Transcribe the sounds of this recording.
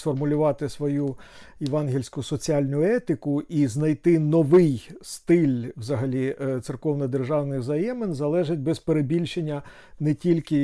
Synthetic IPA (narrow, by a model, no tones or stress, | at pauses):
sfɔrmʊlʲʊʋɑt̪ɪsʋɔjuɪʋɑnɦʲilʲsʲkʊsɔt͡sʲiɑlʲnʲʊɛt̪ɪkʊʔiznɐjt̪ɪnɔʋɪjst̪ɪlʲwzɐɦɐlʲit̪sɪrkɔwnɐd̪erʒɑwnɪwzɐjɛmɪnzɐlˠɛʒɪt̚ʲbɛzpeɾebʲilʲʃenʲːɐ | nɛtʲilʲkɪ